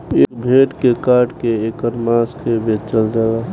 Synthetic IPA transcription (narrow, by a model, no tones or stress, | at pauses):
eːkbʱeːʈkekaːɾʈkeekəɾmãːskebʱeːtt͡ʃəld͡ʒaːla